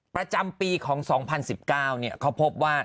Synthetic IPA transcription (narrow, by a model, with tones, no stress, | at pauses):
pɾa˧t͡ɕa˧mpiː˧kʰɔː˩˦ŋsɔː˩˦ŋpʰa˧nsi˨˩p̚kaː˥˩wni˥˩ɐkʰa˦˥wpʰo˦˥p̚waː˥˩